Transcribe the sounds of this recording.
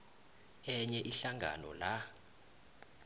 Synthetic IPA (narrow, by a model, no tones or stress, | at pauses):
ɛɲɛʔiɬaŋɡʱa̰nɔ̰la